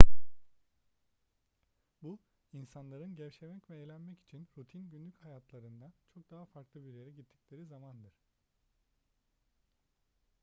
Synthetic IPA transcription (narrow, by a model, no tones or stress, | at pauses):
bu | insanlˠaɾɯnɟɛvʃemɛcvɛːlʲænmɛci̥t͡ʃʰinɾut̪ʰinɟynlʲychajat̪ʰlˠaɾɯnd̪ant͡ʃʰo̞k̚d̪aɦafaɾklˠɯbiɾjeɾɛɟit̪ʰːicʲlʲe̞ɾizamand̪ɯɾ̥